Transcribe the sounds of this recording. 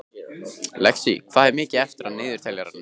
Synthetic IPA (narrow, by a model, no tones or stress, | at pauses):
lɛksḭkʰvaːðɛɾmɪːcɪɛft̪ɪɾaðnɪːðʏɾ̥t̪ʰɛljaɾanː